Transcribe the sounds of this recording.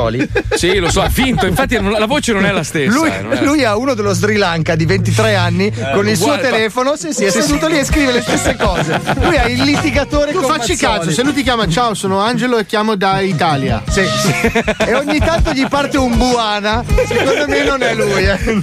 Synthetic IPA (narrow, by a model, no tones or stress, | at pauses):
ɔ̰lisilosɔavint̪oiɱfat̪ːinlavoːt͡ʃenonɛlast̪essluj | lujauːnod̪elːozd̪ɾilaŋkad̪ivent̪it̪ɾɛanːi | konilssuːot̪elɛːfonosisiɛst̪ut̪ːoliɛskɾiːvelest̪esːekɔːzelujɛilːit̪iɡat̪oːɾekfat͡ʃːikaːsoselujt̪ik̬jaːmat͡ʃaosoːnoand͡ʒeloekːjaːmod̪ait̪aːlja̰si | eoɲːit̪ant̪oʎipart̪eumbuaːnasekond̪omenonɛlujɛ